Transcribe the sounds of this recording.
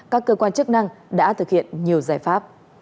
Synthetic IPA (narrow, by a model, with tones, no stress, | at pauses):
kaː˦˥kːəː˧kwaː˧nt͡ɕɨ˦˥k̚na˧ŋɗa̰ː˧˥t̪ʰɨ˨˩k̚hḭ˧˨ənɲi˨˩əwzaː˧˩jfaː˦˥p̚